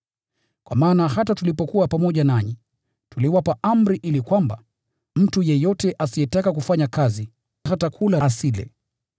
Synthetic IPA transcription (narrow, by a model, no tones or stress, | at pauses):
kwa̰maːnahatatulipɔkuwapamɔʄanaɲi | tuliwapaʔam̩ɾiʔilikwamba̰ | m̩tujɛjɔtɛʔasijɛtakakufaɲakazi | ɦatakʰulasilɛ̰